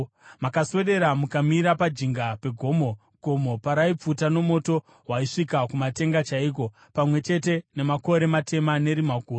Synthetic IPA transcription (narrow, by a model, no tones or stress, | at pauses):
makaswe̞ɗe̞ɾamukamiɾapad͡ʒiŋɡape̞ɡʱo̞mo̞ | ɡ̥ʱo̞mo̞paɾaip͡futano̞mo̞to̞ | ɦwaiʂikakumate̞ŋɡat͡ʃaiːk̬o̞ | pamwe̞t͡ʃe̞te̞ne̞mako̞ɾe̞matʰe̞mane̞ɾimaɡʱuːr